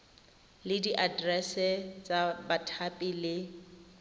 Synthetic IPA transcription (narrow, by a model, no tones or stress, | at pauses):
lɪdiʔadrɛsɛt͡sʼabatʰapʼilɪ